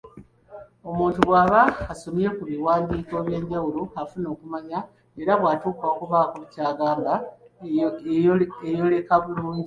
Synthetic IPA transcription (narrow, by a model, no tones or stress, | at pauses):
o̞muːntuβwaːβaːsomie̞kuβiwaːndiːko̞ːβje̞ːɲɟawuloafuno̞ːkumaɲa | e̞ɾaβwaːtuːkaokuβaːkuβucaːɡaːmba | ejo̞le̞kaβuluːɲɟi